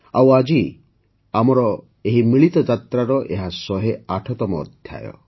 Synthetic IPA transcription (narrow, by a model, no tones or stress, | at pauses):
awad͡ʒi | amɔɾɔ | eɦimiɭit̪ɔd͡ʒat̪ɾaɾɔʔeɦasɔɦeaʈʰɔt̪ɔmɔ̰ːd̪ʱja̰jɔ̰